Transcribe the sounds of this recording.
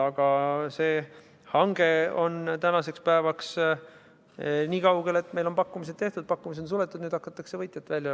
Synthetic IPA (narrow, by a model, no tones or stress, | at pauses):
ɑɡ̥ɑse̞ː | hɑŋɡ̥e̞o̞nt̪ænɑse̞kspæevɑks | niːkɑwɡ̥e̞le̞t̪ːˑme̞jlo̞npɑkːumis̬e̞d̪̚t̪e̞ht̪ud̪̥̚pɑkːumis̬eonsule̞t̪ːˑud̪nyːd̪hɑkːˑɑt̪ːˑɑkse̞vɤjt̪ʲjɑt̪ːˑvælʲjɑ